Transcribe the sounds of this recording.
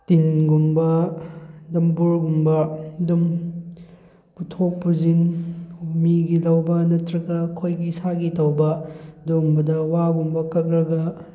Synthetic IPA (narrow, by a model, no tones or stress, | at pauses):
tinɡumbɐ | dɐmbuɾɡumbɐdum | putʰopːuzinumiɡilɐwbɐnɐtɾɐɡɐkʰojɡisaɡitɐwbɐdumbɐdɐwaɡumbɐkɐk̚ɾɐɡɐ